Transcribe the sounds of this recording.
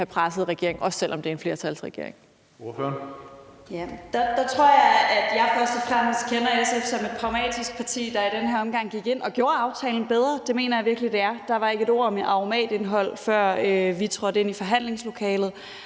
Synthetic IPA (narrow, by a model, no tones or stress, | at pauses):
hæpʰʁasð̞̩ˠʁɛɡ̥e̝ɐ̰e̝ŋɒ̽sːelʔɒ̽md̥eɐenfle̝ɐt͡sʰælsʁɛɡ̥e̝ɐ̰eŋ | jæd̥d̥ɑ̈t͡sʰʁo̝ɐ̰jɑɪæd̥jɑ̈ɪfɶɐsd̥ɒfʁam̰sd̥kʰenɐesefsɒ̽me̝d̥̚pʰʁɑ̈ʊmɛ̰ːd̥isɡ̥̚pʰɑ̈t͡sʰḭːd̥ɑ̈id̥enɦæɐɒ̽mɡ̥ɑ̈ŋ̰ɡ̥iɡ̥e̝n̰ɒ̽ɡ̥jo̝ːɐɑ̈ʊt͡sʰɛːln̩b̥eð̞ˠʁɐd̥e̝me̝̰ːnɐjɑ̈ʋiɐɡ̥əlid̥e̝æɐd̥ɑ̈ʋɑ̈e̝ɡ̥əe̝ɾo̝ɐ̰ɒ̽mʔɑ̈omɛ̰ːd̥e̝nɦɒ̽l̰fɶɐ̰øʋit͡sʰʁɒ̽d̥e̝nifɒ̽ɦæn̰le̝ŋslo̝kʰɛːlð̩ˠ